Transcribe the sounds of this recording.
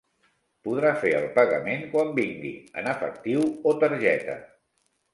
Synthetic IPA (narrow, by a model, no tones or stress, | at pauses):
puð̞ɾafeə̰lˠpəɣəmeŋkwambiŋɡḭə̰nəfə̰k̚t̪iwot̪əɾʒɛt̪ə̰